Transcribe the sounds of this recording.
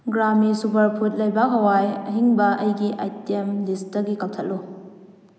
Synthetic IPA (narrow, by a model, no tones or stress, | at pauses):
ɡɾamisupʰɐɾpʰut̚lɐjbɐɦɐwajɐɦiŋbɐʔɐjɡiʔajtemlistɐɡikatʰɐt̚lu